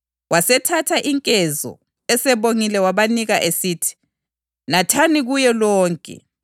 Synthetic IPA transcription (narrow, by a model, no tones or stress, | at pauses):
wasɛtʰatʰaʔiŋkʼɛzɔ̰ | ɛsɛβoŋilɛwaβaniɣaʔesitʰi̥ | natʰaniɣujɛlɔːŋkʼɛ̰